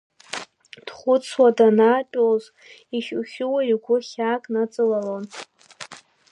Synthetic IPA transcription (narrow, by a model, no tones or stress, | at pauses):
d̥χʷʊt͡sʰwadanaːtʼoz | iʃuχʲʊwaiɡʷʊχʲaːkʼnat͡sʼɨlalon